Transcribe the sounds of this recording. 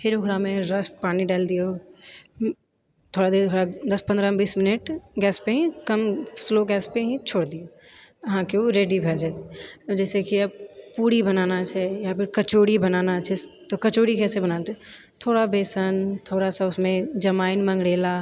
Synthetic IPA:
hɪɾʊɡɾamẽɾɐspaːniɖaːld̪ijoː | t̪ʰoːɽad̪iot̪ʰoːɽad̪ɐspə̃nd̪ɾabiːsmɪnəʈɡɛːspeɦɛ̃kɐmsloːɡɛːspeɦɛ̃t͡ʃʰoːɽd̪ijo | ɦãːkeoɾeːɖibʱɛːd͡ʒet̪d͡ʒɛːsekiɐb̚puːɽibɐnaːnat͡ʃʰɛjapɪɾkɐt͡ʃoːɽibɐnaːnat͡ʃʰɛt̪okɐt͡ʃoːɽikɛːsebɐnaːnt̪ | t̪ʰoːɽabeːsənt̪ʰoːɽasaʊsmẽd͡ʒɐmaːɪnmɐ̃ŋɡɽeːla

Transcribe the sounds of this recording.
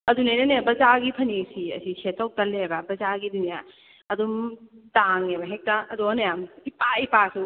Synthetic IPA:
ɐdunajnɐnebɐzaɡipʰɐnisiɐ̰sisetːaw̚tɐlebɐbɐzaɡidunija | ɐdumtaŋebɐɦek̚taɐdonɐjamipaipasu

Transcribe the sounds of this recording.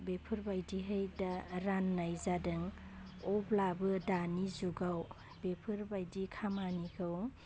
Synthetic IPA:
bepʰɯɾbajdiɦajdaɾanːajzadɯŋ | ɔblabɯdanizuɡaw | bepʰɯɾbajdikʰamaniɡʰɯw

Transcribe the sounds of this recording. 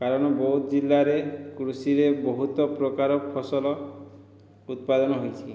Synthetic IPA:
kaɾɔɽ̃ɔbɔɦut̪ɔd͡ʒilːaɾekɾusiɾebɔɦut̪ɔpɾɔkaɾɔpʰɔsɔlɔ | ut̪̚pad̪ɔnɔɦojt͡ʃʰi

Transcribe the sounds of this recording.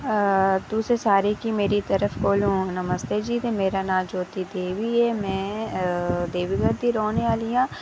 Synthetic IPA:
t̪uːsesaːɾekimeːɾit̪ɐɾəfkoːlɦũnɐməst̪ed͡ʒiːt̪emeːɾanãːd͡ʒoːt̪id̪eːʋiɦɛmɛ̃ː | d̪eːʋiɡəɾd̪iɾoːneaːlijãː

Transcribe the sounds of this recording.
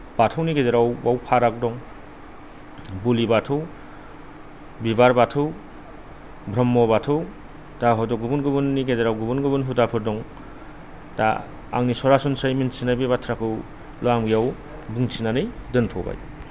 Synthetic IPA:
b̥atʰɯwniɡezeɾawbawpʰaɾak̚dɔŋ | bulibatʰɯw | bibaɾbatʰɯw | bʱɾɔmːɔbatʰɯw | daɦɔdɔɡubunɡɯbɯnːiɡezeɾawɡubunɡɯbɯnɦudapʰɯɾdɔŋ | da̰ | a̰ŋnisɔɾasunsajminsinabibatʰɾakʰɯw | lɔamɡijaw | buŋsʰinanɯjdɯntʰɔba̰j

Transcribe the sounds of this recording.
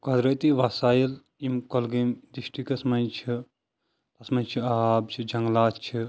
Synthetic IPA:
kɐd̪ɾɐt̪iʋasaːjil | imkɐlɡimd̪iʃʈikɐsmɐnt͡ʃʰi | lɐsmɐt͡ʃʰiaːb̚t͡ʃʰid͡ʒɐŋɡlaːt͡ʃʰi

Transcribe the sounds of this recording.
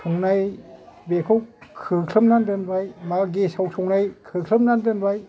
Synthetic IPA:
sʰuŋnajbekʰowkʰɯkʰlɯmnandɯnbajmaɡesawsʰuŋnajkʰɯkʰɯmnandɯnbaj

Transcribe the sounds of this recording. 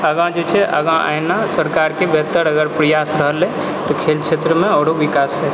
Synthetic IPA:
əɡãd͡ʒet͡ʃʰɛʔə̰ɡãʔa̰jnasəɾkaɾkebɛt̪əɾəɡəɾpɾəjasɾəɦlɛ | t̪ɔkʰelt͡ʃʰet̪ɾəmeɔɽobikasɛ

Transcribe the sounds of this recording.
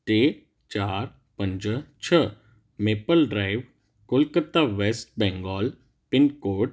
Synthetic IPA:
t̪eː | t͡ʃaːɾ | pə̃ɲd͡ʒət͡ʃʰə | meːpəlɖɾaːɪʋ | kʊlkət̪ːaʋeːsʈbɛ̃ːŋɡɔːl | pɪnkoːʈ

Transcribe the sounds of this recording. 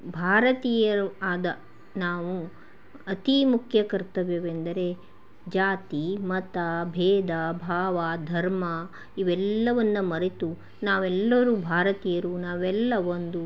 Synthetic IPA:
bʱaːɾɐt̪iːjɐɾuaːd̪ɐ | naːʋu | ɐt̪imukʰjɐkɐɾt̪ɐʋeːʋend̪ɐɾe̞ | d͡ʒaːt̪imɐt̪abʱɛːd̪abʱaːʋɐd̪ʱɐɾmɐ | iʋɛlːɐʋɐnːɐmɐɾet̪u | naːʋɛlːɐɾuːbʱaːɾɐt̪iːjɐɾuːnaːʋɛlːɐond̪u

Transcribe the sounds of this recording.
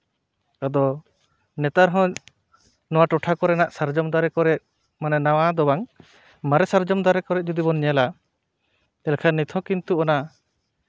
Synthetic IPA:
ad̪ɔ | nɛt̪aɾɦɔ̃ | nɔwaʈɔʈʰakɔɾɛnaʔsaɾd͡ʒɔmd̪aɾɛkɔɾɛʔ̚ | manɛnawad̪ɔbaŋ | maɾɛsaɾd͡ʒɔmd̪aɾɛkɔɾɛʔ̚ˀd͡ʒud̪ibɔnɲɛla | ɛlkʰanːit̪ʰɔ̃kint̪uɔna

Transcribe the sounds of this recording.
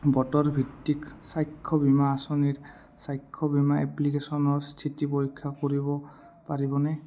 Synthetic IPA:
bɔtɔɹbʱitːiksajkʰːɔbimaːsoniɹ | sajkʰːɔbimaʔɛ̰plikesɔnɔɹstʰitipoɹikʰːakoɹibɔ | paɹibɔnɛ

